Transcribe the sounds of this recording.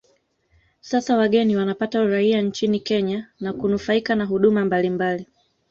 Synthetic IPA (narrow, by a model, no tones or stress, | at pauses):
sasawaɠɛniwanapatauɾaiant͡ʃinikɛɲanakunufaikanaɦuɗumambalimbali